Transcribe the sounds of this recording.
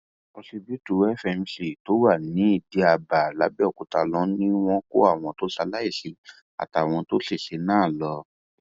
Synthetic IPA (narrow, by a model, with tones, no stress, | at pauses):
ɔ˧si˧bi˦tu˨˦ɛ˦fɛ˧n̩˧si˨to˨˦wa˦˨nĩ˨˦i˦˨di˨˦a˧ba˨la˨˦bi˦ɔ˦˨ku˨ta˧lɔ̃˨˦nĩ˦w̃ɔ̃˦ko˦a˦˨w̃ɔ̃˧to˦ʃa˧la˦i˦˨si˨˧ | a̰˨ta˨w̃ɔ̃˧to˦si˦˨ʃe˨˦nãː˦˨lɔ˧